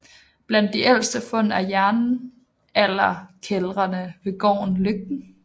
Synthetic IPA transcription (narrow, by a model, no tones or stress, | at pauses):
b̥læn̰d̥iʔel̰sd̥əfɔ̽n̰æjæɐnn̩ | ælɐkʰelʁɐnəʋe̝ɡ̥ɒ̰ːnløɡ̥n̩